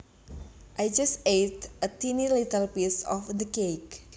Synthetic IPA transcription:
ʔajd͡ʒastejtət̪inilit̪əlpisɔ̰fd̪əkek

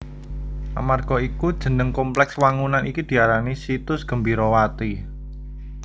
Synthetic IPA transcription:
ʔa̰marɡ̥ɔ̤ikud̥ʒ̥ə̤nəŋkɔmplɛkswaŋunanʔikid̪̥i̤aɾanisit̪ʊsɡ̥ə̤mbiɾɔwat̪i

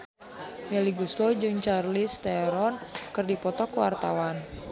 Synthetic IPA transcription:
mɛliɡuslɔd͡ʒɨŋt͡ʃarlist̪ɛɾɔnkɨrdipɔt̪ɔkəwa̰rt̪a̰wan

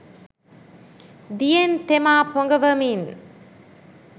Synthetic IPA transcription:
d̪ijent̪emaːpɔŋɡɐʋɐmin

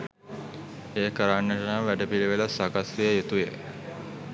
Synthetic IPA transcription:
eːkəɾaːɳːəʈənaʋæɖəpiliʋelasakasʋijəjet̪uje

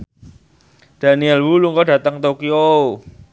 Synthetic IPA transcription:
d̥a̤niɛlwuluŋkɔd̥ä̤t̪əŋt̪okio

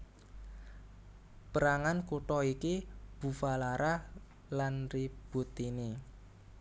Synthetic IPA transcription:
pəɾaŋankuʈɔikib̥ṳfalaɾa | lanrib̥ṳt̪ini

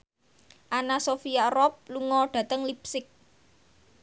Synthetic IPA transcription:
ʔanasofijarɔp̚luŋɔɖ̥ä̤t̪əŋlip̚sɪk̚

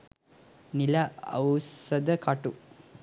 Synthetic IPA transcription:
nilɐɐ̰wsɐd̪ɐkaːʈu

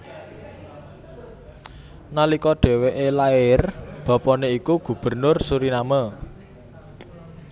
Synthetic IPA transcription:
nalikɔɖ̪̥ɛ̤weʔelaɪrb̥ɔ̤pɔneikuɡ̥ṳb̥ə̤rnʊrsuɾinamə

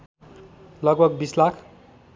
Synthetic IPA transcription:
lʌɡ̚bʱʌɡbislakʰ

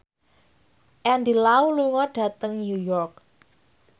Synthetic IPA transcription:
ʔɛndilauluŋɔɖ̥ä̤t̪əŋnujɔrk̚

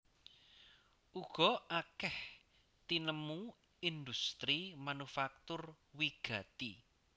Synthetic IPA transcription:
ʔuɡ̥ɔ̤akɛh | t̪inəmu | ind̪ust̪ɾimanufak̚t̪ʊr | wiɡ̥ä̤t̪i

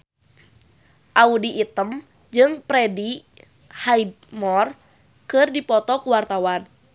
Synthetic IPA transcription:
ʔaudiʔːt̪əm | d͡ʒɨŋpɾɛdi | haid̚ | mɔr | kɨrdipɔt̪ɔkuwart̪awan

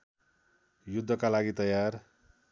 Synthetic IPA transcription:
jud̪ʱːʌkalaɡit̪ʌjar

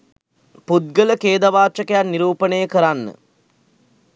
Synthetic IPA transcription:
pud̪̚ɡələkeːd̪aʋaːt͡ʃəkəjanːiɾuːpənəjəkəɾanːə̰

